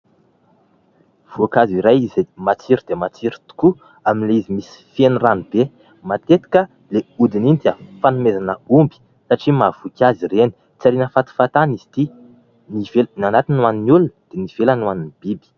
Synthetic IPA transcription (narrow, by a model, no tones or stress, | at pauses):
v̥uakaziɾajizemat͡siɾid̪̥emat͡siɾut̪u̥ku | aminleizimisi̥feniranib̥e | mat̪et̪i̥kə | leud̪inint̪əfanumezanəumbi̥ | saʈ͡ʂimav̥ukʲazireni̥ | t͡saɾinəfat̪i̥fat̪aniz̥i̥t̪i | nivelnanat̪inaninulund̪̥eniv̥elanwaninib̥ibi̥